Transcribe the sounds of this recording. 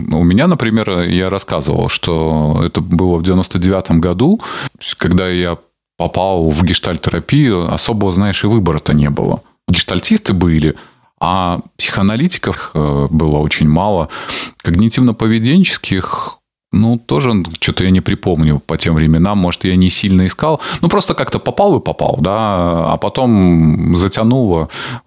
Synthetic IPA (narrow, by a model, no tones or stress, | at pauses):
ʊmʲɪnʲanəpɾʲɪmʲe̞rjaɾɐskazə̰və̰lˠʂt̪oɛ̰t̪əbɨlˠəvdʲɪvʲɪno̞st̪ədʲɪvʲat̪əmɡɐd̪ut̪kɐɡd̪aja | pɐpalˠvɡʲɪʂt̪alʲtʲɪɾɐpʲijʊɐ̰so̞bəvəznaɪʂɨvɨbəɾət̪ənʲe̞bɨ̰lˠə̰ | ɡʲɪʂt̪ɐlʲtʲist̪ɨbɨlʲɪ | apsʲɪ̥xəɐnɐlʲitʲɪ̥kəfxəbɨlˠəo̞t͡ɕɪnʲmalˠəkəɡnʲɪtʲivnəpəvʲɪdʲenʲt͡ɕɪ̥skʲʰɪx | nut̪o̞ʐɨt͡ɕo̞t̪əjanʲɪpɾʲɪpo̞mnʲʊpɐtʲemvɾʲɪmʲɪnamːo̞ʐɨt̪janʲɪsʲilʲnəɪskalˠnupɾo̞st̪əkakt̪əpɐpɑlˠɨpɐpɑ̰lˠd̪aɐ̰pɐt̪o̞mzətʲɐnulˠə